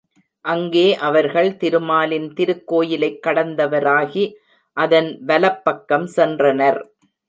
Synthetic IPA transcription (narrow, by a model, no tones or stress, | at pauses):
ʔɐŋɡeːʔɐʋɐɾɣɐɭt̪ɪɾɯmaːlɪnt̪ɪɾɯkːoːjɪlɐɪkːɐɽɐnd̪ɐʋɐɾaːɣi | ʔɐðɐnʋɐlɐpːɐkːɐmsɛndrɐnɐɾ